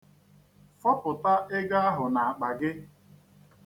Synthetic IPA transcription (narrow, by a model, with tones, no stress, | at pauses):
fɔ˦pʊ˨ta˦ʔɪ˦ɡa˦a˦ɦʊ˨na˨a˨k͡pa˨ɡɪ˦